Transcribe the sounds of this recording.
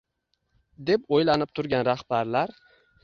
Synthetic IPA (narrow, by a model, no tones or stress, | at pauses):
d̪e̞pojlanɪp̚t̪ʰʊɾɡʲanɾahb̥aɾlaɾ